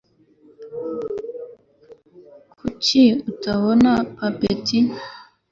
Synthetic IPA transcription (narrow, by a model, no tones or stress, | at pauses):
kkʰut͡ʃiutaβonapapeti